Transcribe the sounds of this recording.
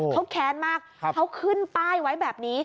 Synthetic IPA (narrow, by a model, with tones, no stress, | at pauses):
kʰa˦˥wkʰɛː˨˦˥nmaː˥˩k̚kʰa˦˥wkʰɯ˥˩nt̪aː˥˩jwa˦˥jbɛː˨˩p̚niː˦˥